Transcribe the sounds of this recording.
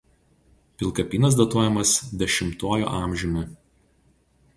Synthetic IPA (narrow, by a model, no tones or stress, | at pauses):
pʲɪlˠˑkɐpʲiːnɐsd̪ɐt̪uɔjɛmɐsd̪ʲɛʃʲɪmt̪oːjo̰ːʔɑːˑmʲʒʲʊnʲʊ